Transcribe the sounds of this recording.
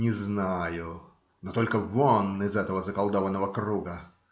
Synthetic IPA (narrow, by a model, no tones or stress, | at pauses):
nʲɪznajʊ | not̪o̞lʲkəvonːɪzɛt̪əvəzəkɐlˠd̪ovənːəvəkɾuɡə